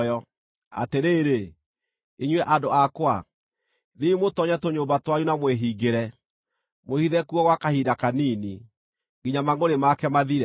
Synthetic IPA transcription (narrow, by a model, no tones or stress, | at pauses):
jɔ | a̰teɾeːɾe | iɲwɛʔadoakwa | ðiimotɔɲɛtoɲombatwajunamweɦiɡeɾɛ | mohiðɛkuɔɣwakahidakaniːni | ŋɡiɲamaŋoɾemakɛmaðiɾɛ